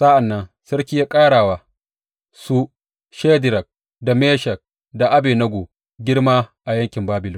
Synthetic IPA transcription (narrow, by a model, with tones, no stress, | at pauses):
sa˦ʔa˨nːɐ˦n | sɐ˦ɾkʲiː˦jaː˦kʼaː˦ɽaː˨waː˨ | su˦ | ʃe˦dɪ˨ɾɐ˨k̚ | da˨meː˦ʃɐ˨k̚ | da˨ʔa˦beː˨nɐ˦ɡʷoː˨ | ɡʲɪ˦ɽmaː˦ʔa˨jɐ˦ŋkʲɪ˨mbaː˦bɪ˨lʊ˦